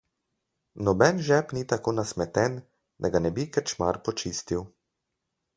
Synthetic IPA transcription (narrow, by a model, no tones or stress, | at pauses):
nɔbɛnʒɛpnit̪akoːnasmɛt̪ɛn | d̪aɡanɛbikəɾt͡ʃmaɾpɔt͡ʃist̪iw